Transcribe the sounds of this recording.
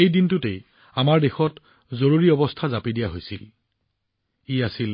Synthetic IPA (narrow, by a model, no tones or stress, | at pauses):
ejdintutej | amaɹdexɔt | zoɹuɹiɔbɔstʰazapidijaɦojsil | iasil